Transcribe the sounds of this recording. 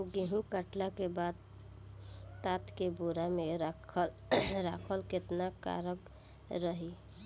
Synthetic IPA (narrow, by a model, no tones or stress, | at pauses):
oɡeɦũkəʈlakebaːd̪̚ | t̪aːt̪kebuɾamẽɾakʰəl | ɾakʰəlkɪt̪naka̰ːɾəɡ | ɾəɦi